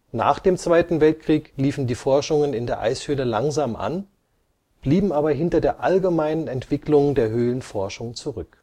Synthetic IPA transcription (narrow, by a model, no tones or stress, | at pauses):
na̰ːχd̥eːmt͡sv̥aɪtn̩vɛlt̚kʁ̥iːkliːfn̩diːfɔɐʃʊŋənɪndeːɐʔa̰ɪshøːləlaŋzaːmʔa̰n | b̥liːbm̩ʔaːbɐɦɪntɐdeːɐʔalɡəmaɪnənɛntv̥ɪklʊŋdeːɐɦøːlənfɔɐʃʊŋt͡suʁʏk